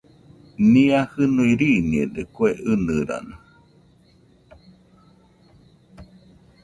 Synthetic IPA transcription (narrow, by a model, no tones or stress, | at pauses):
niahɨnuiɾiniḛd̪ekueʔɨnɨɾa̰na